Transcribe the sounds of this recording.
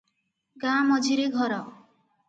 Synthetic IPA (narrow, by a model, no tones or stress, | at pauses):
ɡamɔd͡ʒʱiɾeɡʱɔɾɔ